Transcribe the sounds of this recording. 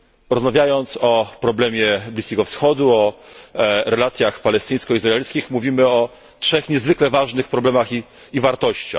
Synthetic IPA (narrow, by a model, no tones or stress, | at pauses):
ɾɔzmavʲjajɔnt̪sɔpɾɔblɛmʲjɛblʲiskʲɛɡɔfsxɔd̪uɔ | ɾɛlat̪sʲjaxpalɛst̪ɘj̃skɔizɾaɛlʲskʲixmuvʲimɘɔ | tʂɛxɲɛzvɘklɛvaʐnɘxpɾɔblɛmaxiː | vaɾt̪ɔɕt͡ɕa̰x